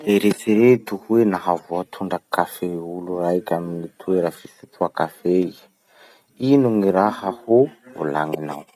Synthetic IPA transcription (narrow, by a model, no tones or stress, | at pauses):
d̪eɾet͡siɾet̪uhwenaɦavoat̪ʰuɳɖ͡ʐakafeulurajkʲaminit̪ʰueɾafisit̪ʰuakafe | inuŋiɾahahuo̰la̰ŋina̰w